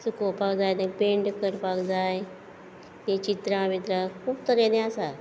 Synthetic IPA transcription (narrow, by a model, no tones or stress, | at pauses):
sukopakd͡zajd̪əpeɳɖkəɾpakd͡zaj | t̪ẽt͡ɕit̪ɾãʋit̪ɾakʰuːp̚t̪əɾenẽasa